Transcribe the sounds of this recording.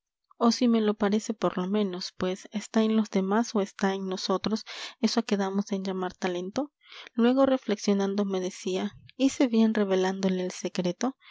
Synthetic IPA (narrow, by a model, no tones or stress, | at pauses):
o̞sime̞lo̞paɾe̞se̞po̞ɾlo̞mẽ̞no̞spwe̞sest̪aenlo̞zðe̞maso̞e̞st̪aeŋno̞so̞t̪ɾo̞se̞soake̞ðamo̞send͡ʒamaɾt̪ale̞nt̪o̞ | lwe̞ɣ̞o̞re̞fle̞ksjo̞nãnd̪ome̞ðe̞siaise̞βje̞nre̞βe̞land̪o̞le̞ːlse̞kɾe̞t̪o̞